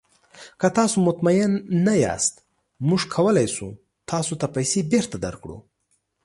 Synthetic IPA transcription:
kət̪ɑsomʊt̪majɪnːajɑ̰st̪ | mʊʐkʰawəlajsu | t̪ʰɑsot̪apajsebeɾt̪ad̪aɾkɽṵ

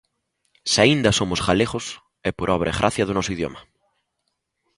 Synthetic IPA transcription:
saind̪ɐsomʊsɣaleɣʊs | ɛpoɾɔβ̞ɾʔaeɣɾʔa̰θjɐðʊnɔsʊiðjo̰mɐ

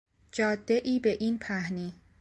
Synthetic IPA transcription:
d͡ʒɒːd̪ːe̞ʔiːbe̞ʔiːnpʰæhniː

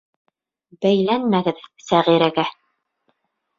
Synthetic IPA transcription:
bæjlænmæɡɘðsæʁiɾæɡæ

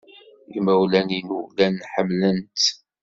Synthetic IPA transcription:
imæwlæninulænːħəmːlənt̪

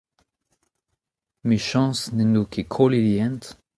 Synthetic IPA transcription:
miʃɑ̃snenukʰekʰoliljɛ̃nt̪

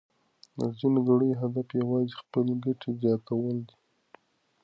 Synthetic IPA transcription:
d̪ə̰zinoɡaɽəjɦad̪afjawɑzixpəleɡaʈʰezjɑt̪awəld̪i

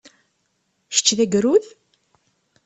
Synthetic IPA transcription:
ʃə̥t͡ʃːðæɡɾuð

